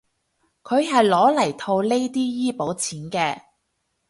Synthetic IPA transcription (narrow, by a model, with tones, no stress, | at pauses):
kʰɵ˨˧ɥɦɐ˨jlɔː˨˥lɐ˨˩jt̪ʰo˧wle˥jt̪iː˥jiː˥po˨˥wt͡sʰiː˨˥nkɛː˧